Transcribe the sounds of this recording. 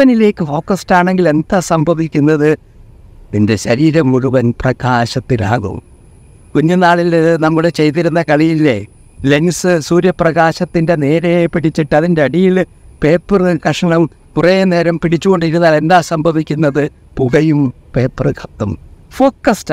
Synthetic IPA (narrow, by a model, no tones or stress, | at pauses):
ɐnile̞ːkːɨfo̞ːkːɐstaːɳe̞ŋɡile̞nd̪aːsɐmbɐʋikʲːunːɐðɨ | ninde̞ɕɐɾiːɾɐmkuɻuʋɐnprɐɣaːɕɐt̪ːila̰ːɣṵm | kuɲːunaːɭilnɐmːuɭet͡ɕe̞jt̪iɾunːɐkɐɭijilːḛ | le̞nsɨsuːɾjɐprɐɣaːɕɐt̪ːinde̞ne̞ːɾejepiɽit͡ɕːiʈːɨɐðinde̞ɐɽijil | pe̞ːpːɨrɨkɐʂɐɳɐm | kurejene̞ːɾɐmpiɽit͡ɕːuɣo̞ɳɖiɾunːaːle̞nd̪aːsɐmbɐʋikʲːunːɐðɨ | puɣɐjum | pe̞ːpːrɨkʰɐt̪ːɐmfo̞ːkːɐst